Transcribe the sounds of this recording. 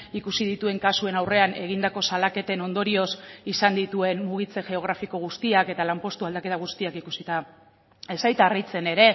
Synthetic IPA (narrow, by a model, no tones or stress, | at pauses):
ikusið̞it̪ue̞ŋkasue̞nawre̞ane̞ɣ̞ind̪ako̞salake̞t̪e̞no̞nd̪o̞ɾio̞sisand̪it̪ue̞nmuɣ̞it͡se̞ʝe̞o̞ɣ̞ɾafiko̞ɣ̞ust̪iake̞t̪alampo̞st̪uald̪ake̞t̪aɣ̞ust̪iakikusit̪a | esajt̪arit͡se̞ne̞ɾe̞